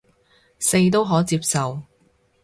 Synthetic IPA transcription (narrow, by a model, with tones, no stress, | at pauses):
se˧jt̪o˥wɦɔː˨˥t͡siː˧p̚sɐ˨w